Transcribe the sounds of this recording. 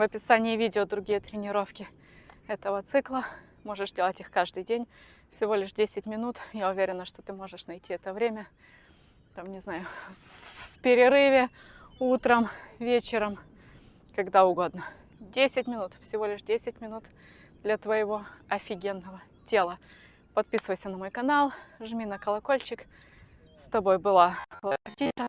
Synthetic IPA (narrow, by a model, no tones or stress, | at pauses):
vəpʲɪsanʲɪːvʲidʲɪod̪ɾʊɡʲijət̪ɾʲɪnʲɪɾo̞fkʲɪ | ɛt̪əvət̪sɨklˠə | mo̞ʐɨʂzdʲe̞lˠətʲixkaʐd̪ɨjdʲenʲ | fsʲɪvo̞lʲɪʂdʲesʲɪtʲmʲɪnut̪jaʊvʲeɾʲɪnːəʂt̪o̞t̪ɨmo̞ʐɨʂnɐjtʲʰiɛt̪əvɾʲemʲə | t̪amnʲɪznajʊ | fpʲɪɾʲɪɾɨvʲɪ | ut̪ɾəmvʲet͡ɕɪɾəm | kɐɡd̪aʊɡo̞d̪nə | dʲesʲɪtʲmʲɪnut̪fsʲɪvo̞lʲɪʂdʲesʲɪt̚ʲmʲɪnut̪ | d̪lʲɐt̪vəjɪvo̞ɐfʲɪɡʲenːəvə | tʲe̞lˠə | pɐt̪̚pʲisɨvəjsʲənɐmo̞jkɐnalˠʐmʲinəkəlˠɐko̞lʲt͡ɕɪk | st̪ɐbo̞jbɨlˠalˠɐtʲiə